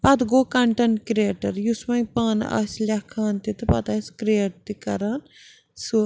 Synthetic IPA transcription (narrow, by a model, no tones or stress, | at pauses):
pɐt̪ɡoːkɐɳʈɐnkɾeːʈɐɾjusmɐĩpaːna̰ːsʲlʲakʰaːnt̪it̪ɨpɐt̪ɐsʲkɾieʈ̚t̪ikɐɾaːn | su